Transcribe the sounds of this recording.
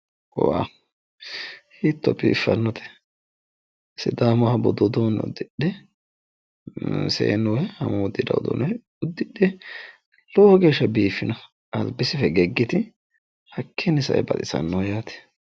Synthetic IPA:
wa̰ː | hiːt̪ːɔpːɪɪfːɐnːɔt̪ʰɛ̥ | sɪd̪aːmɔhɐbɔd̪ɔd̪oːnɛ̰ʊ̰d̪ːɪɗɛ | sḛːnːɔwɛhɐmɔd̪ːɪd̪ɐ̰d̪o̰ːn | ʊd̪ːɪɗːɛ | lɔːɔɡeːʃːɐbiːfːɪnɐ | ɐlbɪsɪfɛɡɛɡːɪt̪ɪ | hɐkʰːɛnɪsɐ̰ʔɛ̰bɐt̪ʼɪsɐ̰nːɔwjaːt̪ɛ̥

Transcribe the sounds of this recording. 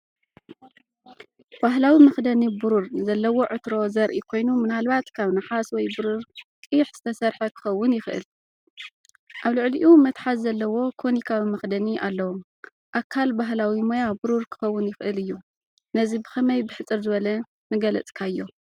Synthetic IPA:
b̥aɦlawimɐxd̪ɐnibuɾuɾzɐlːɐwo̞ʕɨt̪ɾo̞zɐɾʔikʰo̞jnumɨnalβat̪kʰaβnaħaswɔjbuɾuɾkʼɨħz̥ɨt̪ʰɐsɐɾħɐkʰɨ̥xɐwːʊnjɪxʔɨ̰l | ʔaβlɨʕliʔumɐt̪ħat̪zɐlːɐwo̞kʰonikʰawimɐxd̪ɐniʔalːɐwo | ʔakʰːalbaɦlawimojabuɾuɾkʰɨ̥xɐwːʊnjɪxʔɨlɨjːu | nɐzibɨxɐmɐjbɨħɨt͡sʼːɨɾzɨβɐlɐ | nɨɡɐlɐt͡sʼkʰaɨjːo̞

